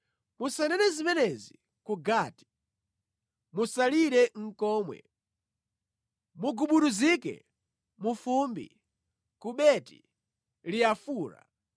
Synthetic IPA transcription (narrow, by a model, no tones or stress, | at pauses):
musanɛnɛzimɛnɛzi | kuɡaːti̥ | musaliɾɛŋ̩kɔːmwɛ̰ | muɡuɓuɗuzikɛ̰ | mufumbḭ | kuɓɛti̥̰ | liafuːɾa̰